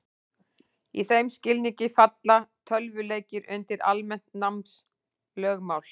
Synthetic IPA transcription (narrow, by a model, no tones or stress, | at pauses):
iθejmscɪlniŋcɪfat̪lat̪ʰœlvʏleːjcɪɾʏnt̪ɪɾa̰lmɛn̥t̪namns | lœːɣmawl̥